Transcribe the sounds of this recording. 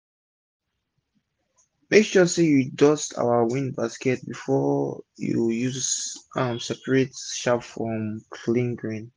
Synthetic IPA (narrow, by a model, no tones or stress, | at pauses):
mekʃɔsejudɔsta̰ʊəwĩnbaskɛt̚bifɔjṵjuzãmsɛpəɹetʃapfɹɔ̃mkʰlĩnɡɹĩn